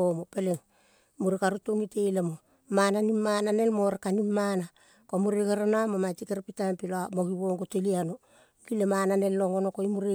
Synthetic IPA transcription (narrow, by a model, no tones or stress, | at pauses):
omopeleŋ | muɾikaɾutoŋitejlemo | mananimːanane̞lmoɾekanimːana | komuɾekeɾanamomatikeɾpitampiloamoɡiwoŋɡoteliano̞ | kilemananelːoŋonokoimuɾe